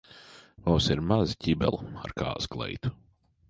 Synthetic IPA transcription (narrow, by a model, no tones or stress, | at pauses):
vawsiɾmazcʲibɛ̰lˠa̰ɾka̰ːsɡlˠɛ̰jt̪u̥